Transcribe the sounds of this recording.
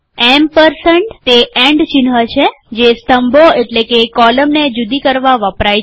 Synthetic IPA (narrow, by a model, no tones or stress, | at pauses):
empəɾsəɳʈt̪eẽɳɖt͡ʃinɦət͡ʃʰe | d͡ʒest̪əmboeʈlekekɔləmned͡ʒud̪ikəɾʋaʋəpɾaj